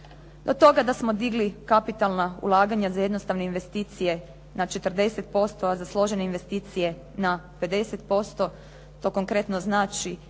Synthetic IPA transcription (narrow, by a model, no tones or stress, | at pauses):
d̪ot̪o̞ɡad̪asmo̞d̪iɡlikapit̪alˠnaṵlˠaːɡaɲazaje̞d̪nost̪aʋne̞inʋe̞st̪iːt̪sije̞ | nat͡ʃe̞t̪r̩d̪e̞set̪̚po̞st̪o̞azaslˠo̞ʒeneinʋe̞st̪iːt̪sije̞ | nape̞d̪e̞set̪̚po̞st̪o̞ | t̪o̞ko̞ŋkɾe̞t̪no̞znaːt͡ʃi